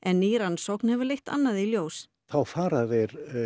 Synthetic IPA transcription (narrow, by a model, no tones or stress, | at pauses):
ʔɛnːiːɾansɔknhɛvʏɾlejht̪a̰nːaðiljoːws | θawfaːɾaðɪɾ